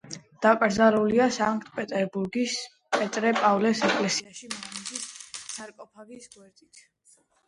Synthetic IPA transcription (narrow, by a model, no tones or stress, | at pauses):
d̪̥akʼɾd̪zaɾuliasaŋkt̪ʼpʼɛt̪ʼɛɾbuɾɡis | pʼɛt̪ʼɾɛpʼavlɛsɛkʼlɛsiaʃimɔmid̪issaɾkʼɔpʰavisɡwɛɾt̪ʼit̪ʰ